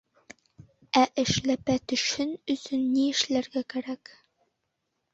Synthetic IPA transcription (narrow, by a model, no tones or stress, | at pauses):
æʔɘ̆ʃlæpæt̪ɵ̆ʃɘnɵ̆sɵnːiɘ̆ʃlæɾɡækæɾæk